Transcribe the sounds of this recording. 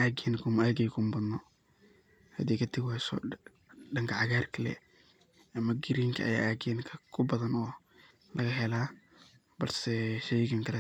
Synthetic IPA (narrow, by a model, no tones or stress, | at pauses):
aːɡɛnkʰʊmaːɡɛjkʰʊmbɐd̪nɔ | hɐ̰d̪iːkɐt̪ʰɪɡhɛsɔ̰ | ɖɐŋkʰɐʕɑɣaːrkʰɐlɛ̰ | ʔɐmɐɡɪɾiŋkʰɐɐ̰ja̰ːaːɡɛːnkʰɐkʰʊbɐðɐnɔː | lɐɣɐɦɛlaː | b̥ɐlsɛʃɛjɡɐŋkʰɐlɛ